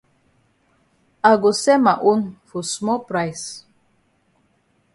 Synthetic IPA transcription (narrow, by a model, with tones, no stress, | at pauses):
a˨ɡo˨sɛ˦ma˨ʔu˦nfɔ˨smɔ˦pɾa˨js